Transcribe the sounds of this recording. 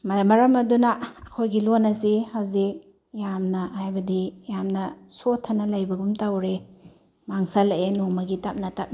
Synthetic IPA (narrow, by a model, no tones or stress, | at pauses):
mɐmɐɾɐmɐdunɐɐkʰojɡilonɐsihɐwzik̚ | jamnɐhajbɐdijamnɐsotʰːɐnɐlɐjbɐɡumtawɾe | maŋsɐlɐʔenoŋmɐɡitap̚nɐtap̚